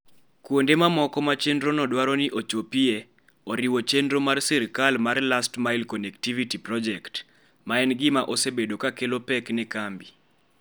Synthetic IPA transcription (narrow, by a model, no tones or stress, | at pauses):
kwondemamɔkɔmat͡ʃendɾonɔdwaɾɔnɪʔot͡ʃopie | ɔɾiwot͡ʃendɾomarsiɾkalmarlastmaɪlkɔnɛktivitiprɔd͡ʒɛkt | maɛnɡɪmaʔosebedokakelopɛknɛkambi